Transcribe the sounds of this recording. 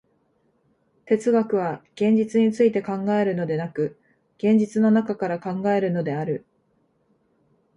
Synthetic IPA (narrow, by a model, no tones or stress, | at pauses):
t̪e̞t͡sɨɡakɯ̟β̞aɡ̥ẽ̞ɲ̟d͡ʑit͡sɨɲ̟it͡sɨit̪e̞kãŋɡae̞ɾɯ̟no̞d̪e̞nakɯ̟ | ɡ̥ẽ̞ɲ̟d͡ʑit͡sɨno̞nakakaɾakãŋɡae̞ɾɯ̟no̞d̪e̞aɾɯ̟